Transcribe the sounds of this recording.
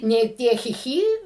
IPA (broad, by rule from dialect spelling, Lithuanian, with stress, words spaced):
ˈnʲeː ˈtʲiɛ ˈxʲɪ ˈxʲiː